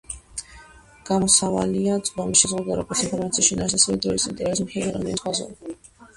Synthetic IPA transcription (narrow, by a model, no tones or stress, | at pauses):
ɡ̥amɔsava̰liat̪sʼbamisʃɛzʁud̪aɾɔɡɔɾt̪sinpʰɔɾmat̪sʰiʃinasasɛvɛd̪ɾɔisint̪ʼɛɾɛbismɛlɛɾa̰md̪ɛ̰nisʰʼwazɔ̰li